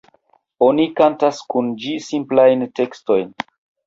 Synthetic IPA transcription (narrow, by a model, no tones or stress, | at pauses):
o̞nikantaskund͡ʒisimplajnte̞ksto̞jn